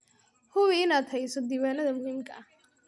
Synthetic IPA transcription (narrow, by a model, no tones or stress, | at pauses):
hʊβiɪnaːd̪hɛjsɔd̪iːwaːnɐðɐmʊhiːmkʰɐ̰ɐh